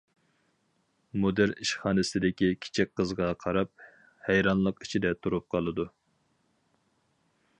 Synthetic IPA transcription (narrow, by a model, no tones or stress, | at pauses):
mod̪ɪɾniʃχɑːnɨsɪd̪ɪkʲikʲʰi̥t͡ʃʰik̚ʲqəzʁɑqʰɑɾɑp̚ | hɛjɾɑnlˠəqit͡ʃʰid̪ɛt̪ʰuɾup̚qʰɑlˠɨd̪u